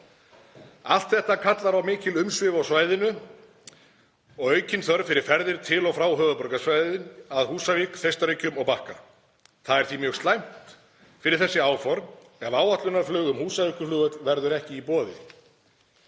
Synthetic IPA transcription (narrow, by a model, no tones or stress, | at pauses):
al̥t̪θɛht̪akʰat̪laɾawmɪːcɪlʏmsvɪːvawsvaːjðɪnʏ | ɔɣœːɥcɪnθœɾfɪɾɪɾ̥fɛɾðɪɾ̥t̪ʰɪlɔɣfɾaːwɦœːvʏpɔɾkasvajðʏnaðhuːsavɪkθejst̪aɾʏcʏmɔɣpahka | θaðɛɾ̥θvimjœːɣst̪lajm̥t̪ | fɪɾɪɾ̥θɛsːɪaːwfɔɾ | ɛvaːwat̪lʏnaɾflœːɣʏmhuːsavikʏflʏːɣðœt̪lvɛɾðʏɾɛhcɪipɔːðɪ